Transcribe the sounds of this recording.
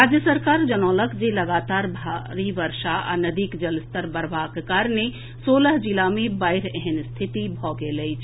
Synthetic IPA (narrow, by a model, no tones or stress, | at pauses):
ɾaːd͡ʒjəsəɾkaːɾd͡ʒənɔːləkd͡ʒelɐɡaːt̪aːɾbʱaɾiʋəɾʃaa̰nəd̪iːkd͡ʒɐlst̪əɾbəɾbʱaːkkaːɾne | soːləɦd͡ʒilamẽbaːɪɾɛɦɛnst̪ʰɪt̪ibʱɔːɡeleit͡ʃʰ